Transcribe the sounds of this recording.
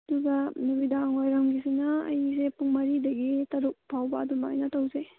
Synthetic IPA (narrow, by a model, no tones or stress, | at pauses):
ɐduɡɐnubidaŋojɾɐmɡisinaɐ̰js̬epuŋmɐɾidɐɡitɐɾuk̚pʰawbɐːdumaa̰jnɐtɐwze